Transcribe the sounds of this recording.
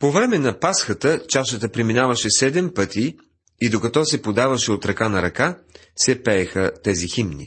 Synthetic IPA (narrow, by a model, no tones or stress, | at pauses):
povɾɛmɛnɐpasxət̪ət͡ʃaʃət̪əpɾiminavɐʃɛsɛd̪ɛmpɤt̪i | id̪okɐt̪ɔsɛpod̪avɐʃɛot̪ɾɐkanɐɾɐka | sɛpɛːxət̪ɛziximnḭ